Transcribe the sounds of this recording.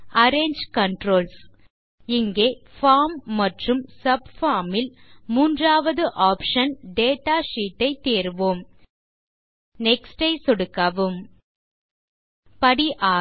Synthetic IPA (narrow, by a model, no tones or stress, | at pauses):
ɐɾeːɲd͡ʒkɐɳʈɾoːls | ɪŋɡeːfaːɾmːɐʈrɯmsɐb̚faːɾmɪlmuːndraːʋɐðɯʔaːpʂɐnɖeːʈaːʂiːʈːɐɪt̪eːɾʋoːm | nɛksʈɐɪsɔɽɯkːaːʋɯm | pɐɽiʔaː